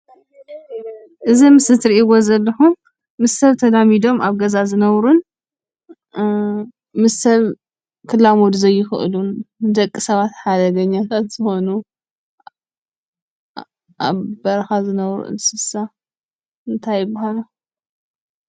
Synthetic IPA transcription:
ʔɨzimɨsɨt̪ʰɾiiwozɐlːɐħu | mɨsɐβt̪ʰɐd̪amid̪o̞mʔaβɡɐzazɨnɐβɾun | mɨssɐβ | kʰɨlːamod̪zɐjːɪxɨ̰ʔɨ̰lunɨd̪ɐkʼːisɐβat̪ħad̪ɐɡɐɲːat̪ʰat̪z̥ɨxo̞nu | ʔaβbɐɾɐxazɨnɐβɾṵʔɨ̰nsɨsa | ɨnt̪ʰajːɪbːahala

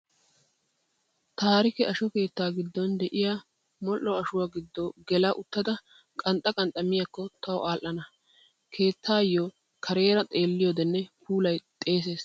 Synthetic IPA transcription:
t̪aːɾɪkɛʔɐʃɔke̞ːt̪ːaːɡɪd̪ːɔnd̪ɛʔɪja | mɔlːɔɐʃʊwaːɡɪd̪ːɔɡɛlɐʔʊt̪ːɐd̪ɐ | kʼɐnt̪ʼɐkʼɐnt̪ʼːɐmɪjɐkːɔt̪ʰɐwʔaːlʔɐnɐ | kʰe̞ːt̪ʰːaːjːɔ | kʰɐɾe̞ːɾɐt̪ʼe̞ːlːɪjoːd̪ɛnːɛpʰuːlɐjt̪ʼe̞ːs̬e̞ːs

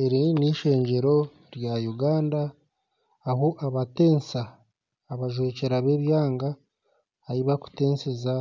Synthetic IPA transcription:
e̞ɾiniʃe̞ːɲɟe̞ɾo̞ | ɾjajuɡaːndaː | hoʔaβate̞ːnsaː | βaʒwe̞ːceɾaβe̞βjaːŋɡaː | ɾiβaku̥te̞ːnseza

